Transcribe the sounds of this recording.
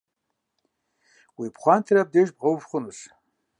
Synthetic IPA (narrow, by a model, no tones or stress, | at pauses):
wipʰχʷantʰiɾab̚deʒbʁʷowvχʷʊnɨs